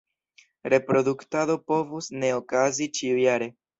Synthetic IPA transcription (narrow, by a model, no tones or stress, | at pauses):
ɾe̞pɾo̞duktado̞po̞vusne̞okazit͡ʃiujaɾe̞